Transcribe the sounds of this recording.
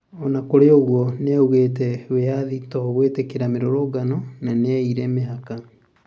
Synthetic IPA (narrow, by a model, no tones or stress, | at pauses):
ɔnakoɾeoɣwɔneauɣeːtɛweaðitɔɣwetekeɾameɾoɾoːɡanɔnaneaiɾɛmeɦaka